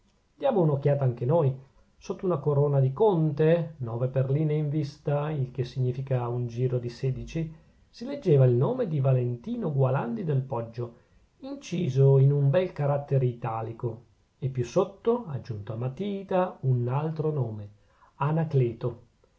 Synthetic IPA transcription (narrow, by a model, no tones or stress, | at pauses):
d̪jaːmounok̟ːjaːt̪aaŋk̟enoːj | sot̪ːounakoɾoːnad̪ikont̪enɔːveperliːneiɱvist̪ailk̟esːiɲːiːfikaund͡ʒiːɾod̪iseːd̪it͡ʃi | siled͡ʒːeːvailnoːmed̪ivalent̪iːnoɡwaland̪id̪elpɔd͡ʒːo | int͡ʃiːzoinumbɛlkaɾat̪ːeɾeit̪aːliko | epːjusːot̪ːoad͡ʒːunt̪oamːat̪iːt̪aunalt̪ɾonoːme | anakleːt̪o